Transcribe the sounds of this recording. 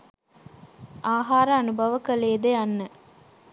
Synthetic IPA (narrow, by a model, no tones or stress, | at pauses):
ʔaːɦaːɾəːnubɐʋəkɐleːd̪eɐnːə